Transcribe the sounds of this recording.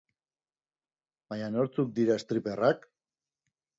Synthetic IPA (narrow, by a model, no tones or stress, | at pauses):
baɲano̞ɾt͡suk̚d̪iɾaest̪ɾiperak